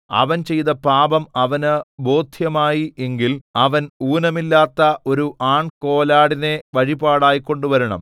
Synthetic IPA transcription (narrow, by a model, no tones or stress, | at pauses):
ɐ̰ʋɐnt͡ɕe̞jt̪ɐpaːbɐmɐʋɐnɨbo̞ːd̪ʱjɐmaːjiʔe̞ŋɡilɐʋɐnuːnɐmilːaːt̪ːɐʔo̞ɾuʔaːɳko̞ːlaːɽine̞ʋɐɻibaːɽaːjikːo̞ɳɖuʋɐɾuɳɐ̰m